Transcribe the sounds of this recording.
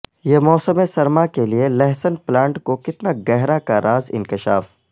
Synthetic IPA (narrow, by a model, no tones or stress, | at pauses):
jeːmɔːsəmesɐɾmakelielɛɦsənplãːɳʈkokɪt̪naɡɛɦɾakaɾʔaːzɪ̰̃nkɪʃa̰ːf